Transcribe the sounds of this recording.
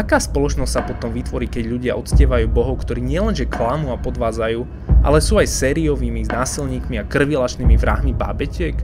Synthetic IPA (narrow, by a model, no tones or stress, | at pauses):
akaːspɔlɔt͡ʃnɔst̪ʲsapɔt̪ɔmʋit̪ʋɔɾiːkɛɟʎuɟɪa̰ʔɔt̪scɛʋajuːbɔɦɔʊkt̪ɔɾiːɲɪɛlɛnʒɛkʰlamuːapɔd̪ʋaːd͡zajuː | ʔa̰lɛsuːajsɛːɾiɔʋiːmiznaːsilɲiːkmiakr̩ʋilat͡ʃniːmivɾa̰ɦmiba̰ːbɛcɪɛk